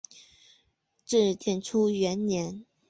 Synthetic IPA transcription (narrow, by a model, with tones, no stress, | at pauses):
ʈ͡ʂɻ̩˥˩t̪ʰjɛ˥˩nʈ͡ʂʰu˥ɥɛ˧˥nnjɛ˧˥n